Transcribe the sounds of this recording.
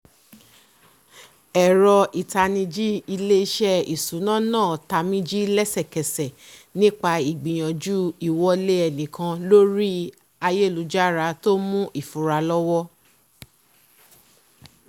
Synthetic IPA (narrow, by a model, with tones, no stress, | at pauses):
ɛ˨ɾɔ˧ʔi˨ta˧nĩ˧d͡ʒi˦i˧le˦i˦ʃɛ˦i˨sũ˨˦nãː˦˨nãː˦˨ta˧mĩ˦d͡ʒi˦lɛ˦sɛ˦˨kɛ˨sɛ˨ | nĩ˦k͡pa˧i˨ɡ͡bĩ˨j̃ã˨d͡ʒu˦i˨wɔ˧le˦ɛ˧˨nĩ˨kã˧lo˦ɾi˦ | a˧je˦˨lu˨˦d͡ʒa˦ɾa˧to˦mũ˦ʔi˦˨fu˨ɾa˧lɔ˦wɔ˦